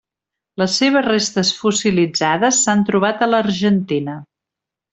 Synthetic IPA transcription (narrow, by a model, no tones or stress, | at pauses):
ləsːeβ̞əzrest̪əsfusilid͡zaðəsːant̪ɾuβ̞at̪ələɾʒənt̪inə